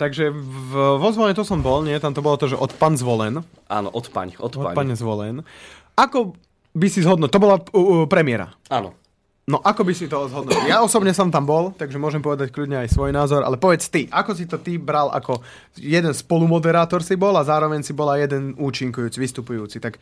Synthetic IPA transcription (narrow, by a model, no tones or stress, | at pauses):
t̪aɡʒɛvʋɔzʋɔlɛɲɛt̪ɔsɔmbɔlɲɪɛt̪amt̪ɔbɔlɔt̪ɔʒɛʔɔt̪paːnzʋɔlɛn | a̰ːnɔ̰ʔɔt̪pa̰ɲɔt̪paɲɛzʋɔlɛ̰n | akɔ | bisizɦɔd̪nuc̚t̪ɔbɔlapɾɛmɪɛɾa̰aːnɔ̰ | nɔʔakɔbisit̪ɔzɦɔd̪nɔciljaɔsɔbɲɛsaːmt̪ambɔlt̪aɡʒɛmʊɔʒɛmpɔʋɛd̪ackʎudɲɛajsʋɔjnaːzɔɾʔa̰lɛpɔʋɛt͡st̪iʔakɔs̬it̪ɔt̪ibɾalʔa̰kɔ | jɛd̪ɛnspɔlumɔd̪ɛɾaːt̪ɔɾsibɔlazaːɾɔʋɛɲsibɔlajɛd̪ɛnuːt͡ʃiŋkujuːt͡siʋist̪upujuːt͡sit̪ak